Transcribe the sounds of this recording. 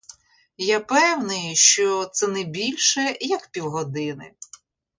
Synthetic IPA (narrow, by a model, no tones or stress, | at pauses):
japɛwnɪjʃt͡ʃɔt̪sɛnɛbʲilʲʃɛjɐkpʲiwɦɔd̪ɪnɪ̰